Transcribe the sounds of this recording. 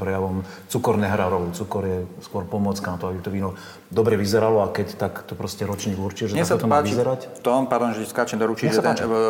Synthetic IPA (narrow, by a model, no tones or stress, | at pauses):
pɾɛjaʋɔmt͡sukɔɾnɛɦɾaɾɔʊt͡sukɔɾjɛskɔɾpɔmɔt͡skanat̪ɔabit̪ɔʋiːnɔ | d̪ɔbɾɛʋizɛɾalɔakɛct̪akt̪ɔpɾɔscɛɾɔt͡ʃɲiːɡuɾt͡ʃiɛʒɛtɲɛasapɔt̪ɔmaʋizɛɾact̪ɔpaɾd̪ɔnʒɛtɛskat͡ʃɛmd̪ɔɾut͡ʃiɛʒɛsat̪a